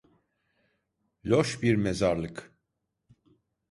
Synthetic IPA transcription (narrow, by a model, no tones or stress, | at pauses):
loʃbiɾmɛzɑɾlɨk